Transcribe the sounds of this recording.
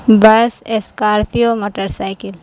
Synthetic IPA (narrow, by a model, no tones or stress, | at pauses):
bɐseskaːɾpijomoːʈəɾsaːɪkɪl